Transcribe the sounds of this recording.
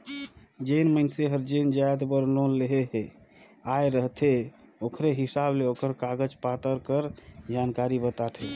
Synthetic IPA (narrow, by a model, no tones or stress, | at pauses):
d͡ʒenməɪnseɦəɾd͡ʒend͡ʒajd̪bəɾloleɦeɦ | ajɾəɦt̪ʰe | okʰɾeɦisableokəɾkaɡəd͡ʒpat̪əɾkəɾd͡ʒankaɾibət̪at̪ʰe